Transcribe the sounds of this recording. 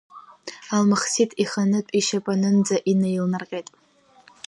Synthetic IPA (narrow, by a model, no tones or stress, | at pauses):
almaχsitʰʼiχanɨpʼiʃapʼanɨnd͡zaʔinejlnarqʲʼejtʼ